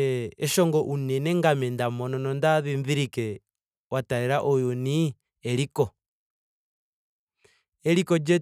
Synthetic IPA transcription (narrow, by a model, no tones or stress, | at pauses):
eʃɔŋɡɔʔunɛnɛŋɡamɛndamɔnɔnɔndaðiɱðiɾikɛ | wataeɾaʔojoni | ɛɾikɔ | ɛɾikɔd͡ʒɛ